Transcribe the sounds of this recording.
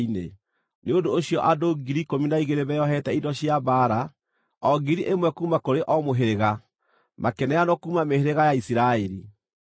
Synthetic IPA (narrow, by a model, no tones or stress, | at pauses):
inḛ | neondoːɕiɔʔadoɡiɾikominaiɣeɾeβɛjɔɦɛtɛidɔɕjabaːɾa | ɔɡiɾiʔemwɛkuːmakoɾeʔɔmoɦeɾeɣa | mʔakɛnɛjanɔkuːmameheɾeɣajaisiɾaeɾi